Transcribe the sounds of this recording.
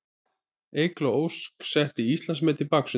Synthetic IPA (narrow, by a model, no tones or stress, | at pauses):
ejklaowsksɛht̪ɪist̪lansmɛːt̪ɪpaksʏ